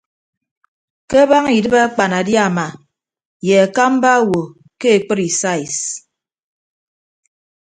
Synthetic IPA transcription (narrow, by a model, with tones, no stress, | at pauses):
ke˦ba˦ŋi˨dɨ˦ba˦a˦k͡pa˨na˨dja˦˨ma˨ | je˨a˨ka˦m̩˦ba˦wo˨ | ke˦e˨k͡pɨ˦ɾi˨sa˦i˨s